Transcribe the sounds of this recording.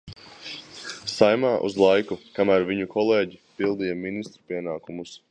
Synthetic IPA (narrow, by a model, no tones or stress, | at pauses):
sajmaːʔṵzlˠajkukamæːɾviɲukʰɔlˠeːɟipilˠd̪ijaminist̪ɾupiɛnaːkumus